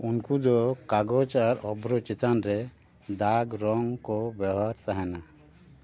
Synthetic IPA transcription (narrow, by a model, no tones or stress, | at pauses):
unkud̪ɔkaɡɔt͡ʃaɾɔbɾɔt͡ʃit̪anɾɛ | d̪aɡɾɔŋkɔbjawɦaɾt̪aɦɛna